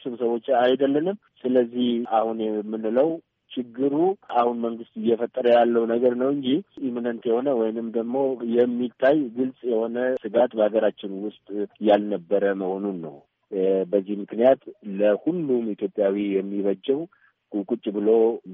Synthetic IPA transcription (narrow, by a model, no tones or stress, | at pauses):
sumsəβwo̞t͡ʃːajd̪əlːənɨm | sɨləzːihʔahunjɛmːɨnːləw | t͡ʃɪɡːɨɾuʔahunməŋɡɨst̪ɪjːɛfət̪ʼːəɾəjalːəwnəɡəɾnəwɨɲd͡ʒiiminənt̪jɛho̞nəwɔjnɨmd̪əɡmo̞jɛmːit̪ʰːajɡɨlsʼjɛho̞nəsɨɡat̪bəhaɡəɾat͡ʃːɪnwʊst̪ʼjalnəbːəɾəməho̞nunːə̰w | bəzːihmɨknijat̪ləhulːumit̪ʰjo̞pʼjawijɛmːiβəd͡ʒːɛw | kʼukʼut͡ʃʼːbɨlo̞